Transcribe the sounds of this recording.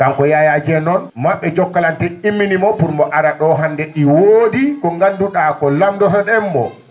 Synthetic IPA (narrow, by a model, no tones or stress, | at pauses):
kamkɔjajad͡ʒɛnɔnmaɓːɛd͡ʒɔkːalantɛimːinimɔpuɾmbɔʔaɗaɗɔɦandɛɗiwoːdikɔŋɡanduɗakɔlamdɔsɔɗɛmːɔ̰